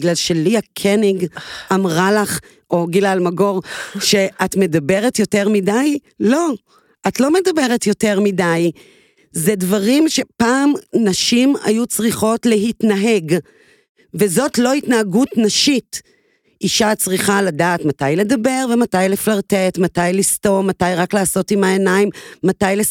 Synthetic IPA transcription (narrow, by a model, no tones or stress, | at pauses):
ɡlalʃeliakʰeniɡamʁalaχ | o̞ɡilalmaɡo̞ʁʃe̞atme̞dabe̞ʁe̞tjo̞te̞ʁmidaj | lo̞ | ʔatlo̞medabe̞ʁe̞tjo̞te̞ʁmidaj | zedvaʁimʃe̞paːmnaʃima̰jut͡sʁiχo̞tle̞ɦitnaɦe̞ɡ | ve̞zo̞tlo̞hitnaːɡutnaʃit | ʔiʃat͡sʁiχaladaːtmatajle̞dabe̞ʁvematajleflaʁtetmatajlisto̞matajʁaklaːso̞timaenajmːatajle